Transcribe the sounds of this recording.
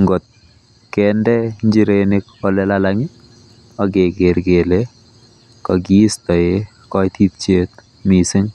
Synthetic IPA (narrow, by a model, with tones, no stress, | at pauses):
ŋɡɔ˨t̪̚ | kɛndɛ˦ɲd͡ʒi˦ɾenɪkɔ˨lɛ˦lalaŋɪ˦ | ɔ˦ɡe˨ɡe˨ɾɡe˨le˦ | kɔɡi˦stɔ˨e | kɔjt̪i˦t̚t͡ʃet̪ | mi˨sɪ˦ŋ